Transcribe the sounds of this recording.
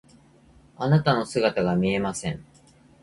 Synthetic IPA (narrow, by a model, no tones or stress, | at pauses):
anat̪ano̞sɨɡat̪aɡamʲie̞masẽ̞̰ɴ